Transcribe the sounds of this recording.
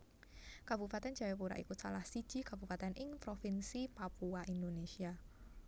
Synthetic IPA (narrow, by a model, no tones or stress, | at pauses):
kab̥upat̪ɛn̥ʒ̥a̤wɛpuɾa̰ʔḭkusalahsid̥ʒ̥i̤kabupat̪ɛnʔɪŋpɾofɪnsipapuaʔind̪onesia